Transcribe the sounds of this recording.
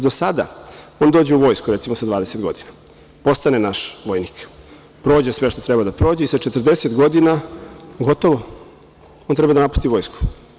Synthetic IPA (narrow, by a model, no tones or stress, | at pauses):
d̪osad̪a̰o̞ːnd̪oːd͡ʑeuʋo̞ːjskuɾet̪imo̞sad̪ʋaːd̪ese̞t̪ɡo̞d̪ina | po̞st̪anenaʃʋo̞jnik | pɾo̞ːd͡ʑesʋe̞ʃt̪o̞t̪ɾe̞bad̪apɾo̞ːd͡ʑeisat͡ʃet̪rd̪e̞set̪ɡo̞d̪inaɡo̞t̪o̞ʋo | ont̪ɾe̞bad̪anapu̥st̪iʋo̞jsku̥